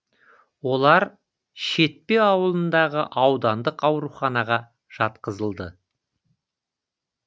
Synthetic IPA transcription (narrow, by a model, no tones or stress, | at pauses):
wo̞lˠɑɾ | ʃe̞t̪̚pe̞ɑwəlˠənd̪ɑʁəʔɑwd̪ɑnd̪əqɑwɾuχɑnɑʁɑ | ʒ̥ɑt̪qəzəlˠd̪ə